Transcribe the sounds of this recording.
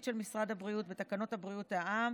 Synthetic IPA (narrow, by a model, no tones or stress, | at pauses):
tʃe̞lmisʁad̪habʁiut̪bet̪akano̞thabʁiutaʔam